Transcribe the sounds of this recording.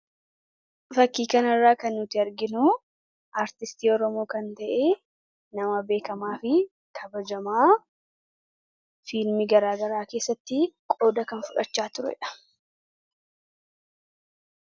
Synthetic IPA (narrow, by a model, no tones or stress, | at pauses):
fɐkːiːkɐnɐrːaːkɐnːʊt̪ɪɐɾɡɪnʊ | ʔaːɾt̪ɪst̪iːɔɾɔmo̞ːkɐnt̪ɐʔe̞ː | nɐmɐbe̞ːkɐmaːfɪ | kʰɐbɐd͡ʒɐmaː | fɪlmɪɡɐɾaːɡɐɾaːke̞ːsːɐt̪ːɪkʼo̞ːd̪ɐkɐnfʊᶑɐt͡ʃːaːt̪ʊɾɛ̰ᶑɐ̥